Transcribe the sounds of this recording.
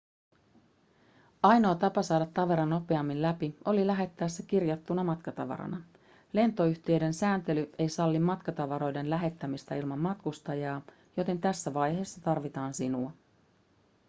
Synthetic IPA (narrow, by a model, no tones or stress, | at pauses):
ɑjno̞ɑt̪ɑpɑsɑːdɑt̪ːɑʋe̞ɾɑnope̞ɑmːinlæpio̞lilæɦe̞t̪ːæːsːæk̟irjɑt̪ːunɑmɑt̪kɑt̪ɑ̰ʋɑ̰ɾɑ̰nɑ | le̞nt̪o̞yçt̪ieɥde̞nsæːnt̪e̞lyʔe̞jsɑlːimmɑt̪kɑt̪ɑʋɑɾo̞jde̞nlæɦe̞t̪ːæmist̪æilmɑmːɑt̪kust̪ɑjɑː | jo̞t̪e̞nt̪æsːæʋɑjɦe̞ːsːɑt̪ɑrʋit̪ɑːnsinuɑ